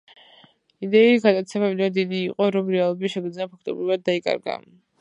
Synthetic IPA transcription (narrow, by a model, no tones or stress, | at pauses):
id̪ɛiɡad̪at̪sʰɛbamid̪ɛd̪id̪iːqʼɔɾɔmɾɛalˠɔbiʃɛɡd̪zapʰak̚ʰt̪ʼɔbɾivad̪̚ːaikʼa̰ɾɡa̰